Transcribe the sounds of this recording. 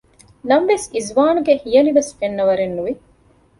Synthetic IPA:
nɐmʋesizʋaːnuɡehijɐniʋesfenːɐʋɐɾenːuʋi

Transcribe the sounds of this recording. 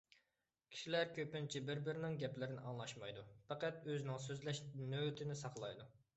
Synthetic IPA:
kʲʰi̥ʃilæɾkʲʰøpɪnt͡ʃʰibɪɾbɪɾɪnɪŋɡʲɛplɪɾɪnɪʔɑŋlˠɑʃmɑjd̪upʰɛqæt̪øzɪnɪŋsøzlɛʃnøwt̪ʰɪnɪsɑχlˠɑjd̪u

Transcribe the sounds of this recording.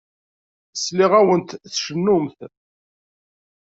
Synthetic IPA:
əsliʁæwənt̪θʃənːʊmθ

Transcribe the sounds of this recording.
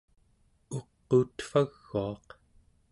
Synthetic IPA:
oqːuːt̪faɣːuɑq

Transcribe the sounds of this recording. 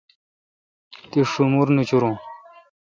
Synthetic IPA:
t̪iʂumuɾnut͡ɕuɾũ

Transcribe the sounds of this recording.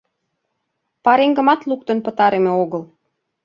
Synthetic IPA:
pɑɾeŋɡə̆mɑt̪luk̚t̪ə̆npə̆t̪ɑɾemeoɣə̆l

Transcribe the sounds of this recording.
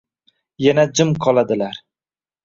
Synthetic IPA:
janad͡ʒɪmqʰɒlˠad̪ɪlaɾ

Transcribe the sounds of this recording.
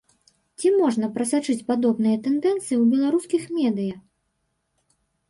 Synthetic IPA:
t͡sʲimɔʐnɐpɾɐsat͡ʂɨt͡sʲpad̪ɔbnɨjɐt̪ɛnd̪ɛnt̪sɨjiwbʲɛlˠaɾuskʲixmʲɛd̪ɨjɐx

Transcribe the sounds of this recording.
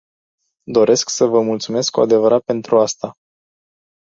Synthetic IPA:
d̪o̞ɾe̞sksəvəmult̪sume̞skkːuad̪e̞vəɾat̪̚pe̞nt̪ɾuast̪a

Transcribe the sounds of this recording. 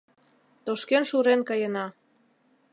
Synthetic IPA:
t̪oʃkenʃuɾenkɑjənɑ

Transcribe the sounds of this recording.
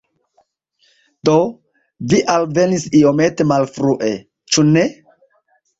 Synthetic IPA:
d̥o | viʔalve̞nisio̞me̞te̞malfɾuʔe̞ | t͡ʃune

